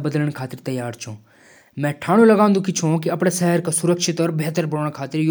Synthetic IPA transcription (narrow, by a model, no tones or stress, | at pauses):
bəd̪ələɽ̃kʰaːt̪ɪɾt̪ɐjaːɾt͡ʃʰũ | mɛ̃ːʈʰaːɽ̃ũlɐɡãːnd̪ukit͡ʃʰũkiɐpɽ̃eʃɛɦəɾkasʊɾəkʃɪt̪ɔɾbɛɦt̪əɾbəɽəɽ̃kʰaːt̪ɪɾj